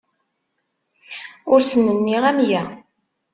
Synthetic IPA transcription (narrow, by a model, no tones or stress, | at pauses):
ʊɾsənːənːiʁæmjæ